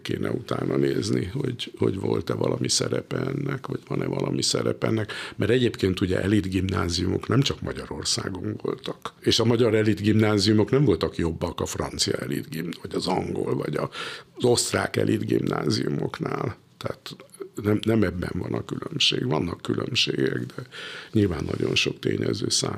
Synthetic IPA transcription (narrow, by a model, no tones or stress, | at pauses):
keːnʔɛut̪aːnʔɒneːzniho̞ɟho̞ɟvo̞lt̪ɛvɒlɒmisɛɾɛpɛɛnːɛkʋɒɟ̥ʋɒnɛvɒlʔɒmʔisɛɾɛpɛɛnːɛkmʔɛɾɛɟeːpkeːnt̪uɟɛʔɛlid̪ɡimnaːzijumo̞knɛmt͡ʃɒkmɒɟɒɾo̞rsaːɡo̞mvo̞lt̪ɒkeːʃɒmɒɟɒɾɛlid̪ɡimnaːzijumo̞knɛmvo̞lt̪ɒkjo̞bːɒkɒfrɒnt̪sijɒɛlid̪ɡimvɒɟɒzɒŋɡolvɒɟɒzo̞st̪raːkɛ̰lʔid̪ɡimnʔaːzijumo̞knaːl | t̪ɛat̪nɛmnɛmɛbːɛɱvɒnɒkylømʃeːɡʋɒnːɒkːylʔømʃeːɡɛɡd̪ɛɲilvaːnːɒ̰ɟo̞nʃo̞kt̪eːɲɛzøːsaː